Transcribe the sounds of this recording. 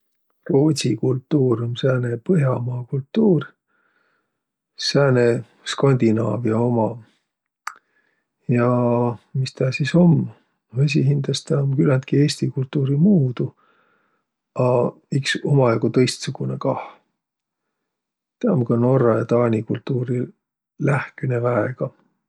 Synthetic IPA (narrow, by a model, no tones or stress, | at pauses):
roːsikult̪ːˑuːɾjomsæːnepɤɦjɑmɑːkult̪ːuːr | sæːne | skɑnʲd̪inɑ̰ːvjɑo̞mɑ | jɑmist̪æhsiso̞m | ves̬ʲiɦind̪̥ɑst̪æomkylænt̪̚kie̞ːst̪ikult̪ːˑuːɾimuːd̪̥u | ɑ | ikso̞mɑjɑɡut̪ɤ̞jst̪suɡ̥unekɑh | t̪eɑmkɑno̞ɾɑjɑt̪ɑːnʲikult̪ˑːuːɾi | læhkenevæeɡ̥ɑ